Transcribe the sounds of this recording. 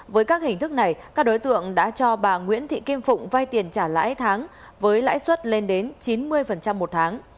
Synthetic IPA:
vəː˨˦jkaː˦˥k̚hï˨˩ŋ̟t̪ʰɨ˦˥k̚na˨˩jkaː˦˥k̚ɗo˨˦jt̪ɨ̰˧˨əŋɗa̰ː˧˥t͡ɕɔ˧ɓaː˨˩ŋwḭ˧˥ənt̪ʰḭ˧˨ki˧əmfʊ̰˧˨ŋ͡mvaː˧jt̪i˨˩ənt͡ɕaː˧˩la̰ː˧˥jt̪ʰaː˨˦ŋ | vəː˨˦jla̰ː˧˥jswə˦˥t̚le˧nɗe˨˦nt͡ɕi˨˦nmɨ˧əjfə˨˩nt͡ɕa˧mːo˨˩t̚t̪ʰaː˨˦ŋ

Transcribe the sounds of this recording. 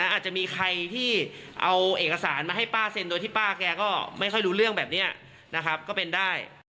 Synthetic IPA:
a˦˥ʔaː˨˩t̪̚t͡ɕa˨˩miː˧kʰa˧jt̪ʰiː˥˩ʔa˧wʔeː˨˩k̚ka˧saː˩˦nmaː˧ɦa˥˩jpaː˥˩se˧ndoː˧jt̪ʰiː˥˩paː˥˩kɛː˧kɔː˥˩ma˥˩jxʰɔ˥˩jɾuː˦˥ɾɯ˥˩əŋbɛː˨˩p̚ni˦˥ɐ | na˦˥kʰɾa˦˥p̚kɔː˥˩pe˧ndaː˥˩j

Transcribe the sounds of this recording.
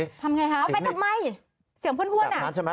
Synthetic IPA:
t̪ʰa˧mŋa˧jkʰa˦˥˧pa˧˩t̪ʰa˧˨˩ma˧˩j | si˨˩˦əpʰːnpʰu˧ənaː˧˦t͡ɕʰa˧m˦

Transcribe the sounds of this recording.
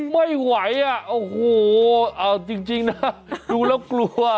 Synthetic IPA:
ma˥˩jwa˩˦jʔa˨˩ʔo˧˩hoː˨˩ʔəː˧˩t͡ɕi˧ŋt͡ɕi˧ŋna˦˥duː˧lɛː˥˩wklu˧ə

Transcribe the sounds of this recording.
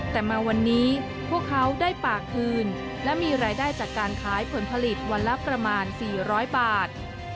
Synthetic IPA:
t̪ɛː˨˩maː˧wa˧nːiː˦˥ | pʰu˥˩əkʰːa˦˥wdaː˥˩jpaː˨˩kʰːɯː˧n | lɛ˦˥miː˧ɾaː˧jdaː˥˩jt͡ɕaː˨˩kːaː˧nkʰaː˩˦˥jpʰo˩˦npʰa˧li˨˩t̪̚wa˧nla˦˥pɾa˧maː˧nsiː˨˩ɾɔː˦˥jbaː˨˩t̪̚

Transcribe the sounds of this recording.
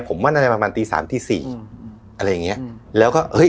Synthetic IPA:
pʰo˩˦mːaː˥˩nʔa˧ɾa˧jpɾa˧maː˧nt̪iː˧sa̰ː˩˦mt̪ʰiː˥˩siː˨˩ | ʔa˧ɾa˧jːa˨˩ŋi˦˥ɐʔlɛː˦˥wkɔː˥˩ʔɤ˦˥j

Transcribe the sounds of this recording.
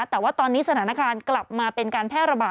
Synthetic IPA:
t̪ɛː˨˩waː˥˩t̪ɔː˧nːiː˦˥sa˧t̪ʰaː˩˦na˦˥˧kaː˧nkla˨˩p̚maː˧pe˧nkaː˧npʰɛː˥˩ɾa˧baː˨˩

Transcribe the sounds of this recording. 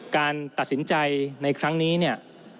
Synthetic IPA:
kaː˧nt̪a˨˩t̪̚si˩˦nt͡ɕa˧jna˧jkʰɾa˦˥ŋniː˦˥ni˥˩ɐ

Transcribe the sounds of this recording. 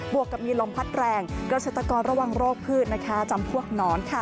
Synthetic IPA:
bu˨˩əkːa˨˩p̚miː˧lo˩˦mpʰa˦˥t̪̚ɾɛː˧ŋkɾa˧seː˨˩t̪ɾa˧kɔː˧nɾa˧wa˧ŋɾoː˥˩k̚pʰɯː˥˩t̪̚na˦˥kʰa˦˥t͡ɕa˧mpʰu˥˩ək̚nɔː˦˥nkʰa˥˩

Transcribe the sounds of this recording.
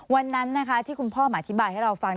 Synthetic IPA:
wa˧nːa˦˥nːa˦˥kʰa˦˥t̪ʰiː˥˩ku˧npʰɔː˥˩ma˨˩ʔa˧t̪ʰi˦˥baː˧jha˥˩ɾa˧wfa˧ŋ

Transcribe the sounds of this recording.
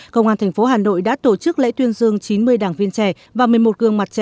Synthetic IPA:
kə˧wŋ͡mʔaː˧nt̪ʰɛ˨˩ŋ̟fo˨˦ɦaː˨˩no̰˧˨jɗa̰ː˧˥t̪o˧˩t͡ɕɨ˦˥k̚lɛ̰˧˥t̪wi˧ənzɨ˧əŋt͡ɕi˨˦nmɨ˧əjɗaː˨˩ŋvi˧ənt͡ɕɛ˧˩ | vaː˨˩mɨ˨˩əjmo˨˩t̚kɨ˧əŋma˨˩t̚t͡ɕɛ˧˨

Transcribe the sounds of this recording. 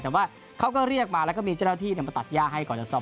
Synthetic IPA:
ɯː˩˦mwaː˥˩ | kʰa˦˥wkɔː˥˩ɾi˥˩ək̚maː˧lkɔ˥˩miː˧t͡ɕa˥˩naː˧t̪ʰiː˥˩n˥˩maː˧˩t̪a˨˩t̪̚jaː˥˩k̚ɦa˥˩jkɔː˨˩nt͡ɕa˧˩sɔ˧˩

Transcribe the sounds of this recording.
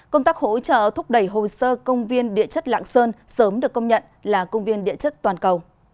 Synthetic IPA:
kə˧wŋ͡mt̪aː˦˥k̚ho̰˧˥t͡ɕə̰ː˧˨t̪ʰʊ˦˥k͡p̚ɗə˧˩jɦo˨˩səː˧kə˧wŋ͡mvi˧ənɗḭ˧˨ət͡ɕə˦˥t̚la̰ː˧˨ŋsəː˧nsəː˨˦mɗɨ˨˩əkːə˧wŋ͡mɲə̰˧˨n | laː˨˩kə˧wŋ͡mvi˧ənɗḭ˧˨ət͡ɕə˦˥t̚t̪waː˨˩nkə˨˩w

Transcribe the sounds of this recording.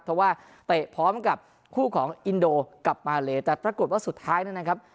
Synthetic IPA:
pʰɾɔ˧˩waː˥˩ | t̪e˨˩ʔpʰɔː˦˥mka˨˩p̚ | kʰuː˥˩kʰɔː˩˦ŋʔi˧ndoː˧ka˨˩p̚maː˧leː˧t̪ɛː˨˩pɾa˧ko˨˩t̪̚waː˥˩su˨˩t̪ʰːaː˦˥jna˥˩na˦˥kʰa˦˥p̚

